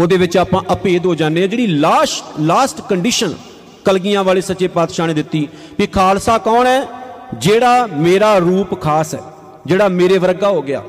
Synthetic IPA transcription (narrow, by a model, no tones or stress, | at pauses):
oːd̪eːʋɪt͡ʃaːpãːʔəpeːd̪ɦoːd͡ʒaːnːeːɛ̃ːd͡ʒeːɽiːlaːsʈlaːsʈkəɳɖiːʃən | kəlɡɪjãːʋaːleːsət͡ʃːeːpaːt̪ʃaːnẽːd̪ɪt̪ːiː | kikʰaːlsaːkɔːɳɛː | d͡ʒeːɽaːmeːɾaːɾuːpkʰaːsɛ̰ː | d͡ʒeːɽaːmeːɾeːʋəɾɡaːɦoːɡɪja̰ː